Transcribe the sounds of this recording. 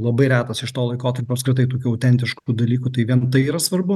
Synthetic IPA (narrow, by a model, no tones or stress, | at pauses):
lˠɐbɐɪɾʲæːt̪ɐsɪʃt̪oːlˠɐɪkoːt̪ɐɾʲpʲoːɐpskɾʲɪt̪ɐɪt̪oːkʲuːɐʊt̪ʲɛnʲt̪ʲɪʃkuːd̪ɐlʲiːkut̪ɐɪʋʲiɛnt̪ɐɪiːɾɐsʋɐɾbʊ